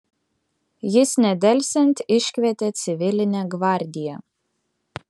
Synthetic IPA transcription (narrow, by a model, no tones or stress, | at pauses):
jɪsnʲɛd̪ʲɛlʲsʲɛnʲt̪ʲɪʃʲkʲʋʲɛt̪ʲet̪sʲɪʋʲɪlʲɪnʲɛːɡʋɑˑɾʲd̪ʲɪjɛ